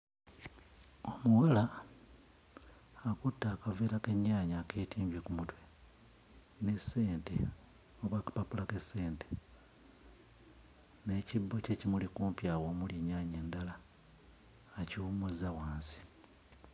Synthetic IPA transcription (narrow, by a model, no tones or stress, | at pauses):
o̞muɣala | kutːaːkaveːɾakeɲːaːɲake̞ːtiːmbikumutwe̞ | ne̞sːe̞ːnte̞ | oβwakḁpapulake̞sːe̞ːnte̞ | ne̞ːcibːo̞ce̞cimulikuːmpjaːwo̞ːmuljiɲːaːɲe̞ːndala | ciwumuzawaːnsi̥